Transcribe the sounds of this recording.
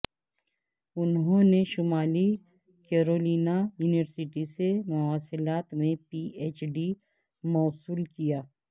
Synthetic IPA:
ʊnɦõːneʃʊmaːli | keːɾoːliːnajuːnɪʋəɾsɪʈisemʊaːsɪlaːt̪mẽpiːeːt͡ʃɖi | mɔːsuːlkijaː

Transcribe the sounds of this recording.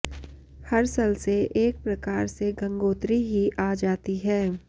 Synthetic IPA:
hɐɾsɐlseʔeːk̚pɾɐkaːɾseɡɐ̃ŋɡoːt̪ɾiɦiʔaːd͡ʒaːt̪iɦɛː

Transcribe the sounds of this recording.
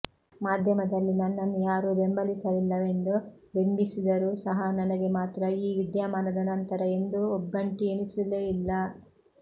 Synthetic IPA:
maːd̪ʱjɐmɐd̪ɐlːinɐnːɐnujaːɾubembɐlisɐʋilːɐʋe̞nd̪u | be̞mbisid̪ɐɾusɐɦɐnɐnɐɡe̞maːt̪ɾɐiːʋid̪jaːmaːnɐd̪ɐnɐnt̪ɐɾɐe̞nd̪uɔbːɐɳʈienisuleilːɐ

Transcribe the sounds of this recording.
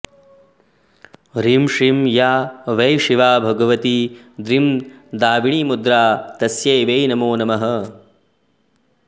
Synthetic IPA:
ɾimʂimjaːʋɐjʃiʋaːbʱɐɡɐʋɐt̪i | d̪ɾimd̪aːʋiɳiːmud̪ɾaːt̪ɐsjɐjʋeːjnɐmoːnɐmɐɦɐ̆

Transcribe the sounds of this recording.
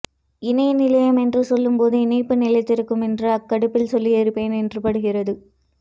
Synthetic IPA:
ɪnɐjnɪlɐjɐmɛndrɯsɔlːɯmpoːðɯɪnɐɪpːɯnɪlɐɪt̪ːɪɾɯkːɯmɛndrɯɐkːɐɽɯpːɪlsɔlːiɛɾɯpːeːnɛndrɯpɐɽɯɣɪrɐðɯ

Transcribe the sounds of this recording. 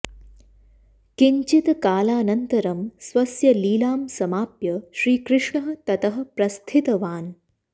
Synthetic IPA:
kiɲt͡ʃit̪kaːlaːnɐnt̪ɐɾɐmsʋɐsjɐliːlaːmsɐmaːpjɐʃɾiːkɾɪʂɳɐɦɐ̆t̪ɐt̪ɐɦɐ̆pɾɐst̪ʰit̪ɐʋaːn

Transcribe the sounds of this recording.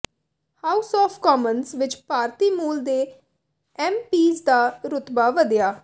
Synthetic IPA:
haːʊsɔːfkɔːmənsʋɪt͡ʃpaːɾt̪iːmuːld̪eː | ɛːmpiːzd̪aːɾʊt̪baːʋəd̪jaː

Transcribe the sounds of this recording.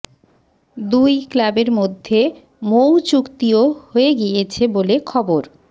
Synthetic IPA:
d̪ujklabeɾmod̪ʱːe | mowt͡ɕukt̪iohoeɡijet͡ɕʰebolekʰɔboɾ

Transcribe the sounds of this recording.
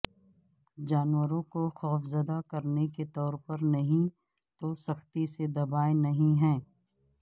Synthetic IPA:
d͡ʒaːnwəɾõkoxɔːfzəd̪akɐɾneket̪ɔːɾpɐɾnɐɦĩ | t̪osɐxt̪ised̪ɐbaːenɐɦĩɦɛ̃ː

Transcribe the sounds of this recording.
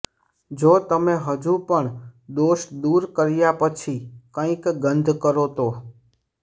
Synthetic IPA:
d͡ʒot̪əmeɦəd͡ʒũpəɳd̪oʃd̪uɾkəɾjapət͡ʃʰikə̃ĩkɡənd̪ʱkəɾot̪o

